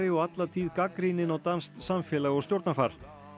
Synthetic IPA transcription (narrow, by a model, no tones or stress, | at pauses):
ɾɪɔɣat̪lat̪ʰiːðkakɾinɪnawt̪anst̪samfjɛːlaɣɔst̪jowɾt̪nafaɾ̥